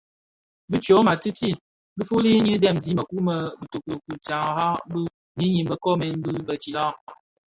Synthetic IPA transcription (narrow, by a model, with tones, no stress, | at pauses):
bɨ˦t͡ʃo˨˦ma˨tɨ˦ti˦˨ | bɨ˦fu˦li˦ɲɨ˦dɛ˦˨mzi˨˦mə˨ku˦mə˨bɨ˨to˨ku˨ku˨t͡ʃa˨ŋ˨˦ha˦bɨ˦ | ɲi˦ɲi˨mbə˦kɔ˦mɛ˨n˦bɨ˦bə˨t͡ʃi˨la˦˨